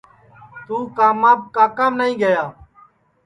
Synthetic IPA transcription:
t̪uːkaːmaːb̚kaːkaːmnəɦĩːɡəjaː

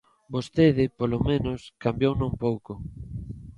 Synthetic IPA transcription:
bost̪eðɪpolomẽnoskambjownõmpowko

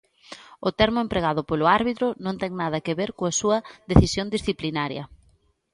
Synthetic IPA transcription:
ʊt̪ɛɾmʊempɾeɣaðʊpolʊaɾβit̪ɾʊnõnt̪ɛŋnaðɐkeβeɾkoasuɐðeθisjond̪isθiplinaɾjɐ̰

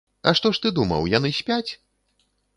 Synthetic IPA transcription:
ɐʂt̪ɔʂt̪ɨd̪umɐ̰wjanɨsʲpʲat͡sʲ

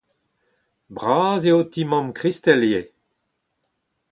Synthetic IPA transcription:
bʁaːzeotimɔ̃mkʁist̪ɛlje

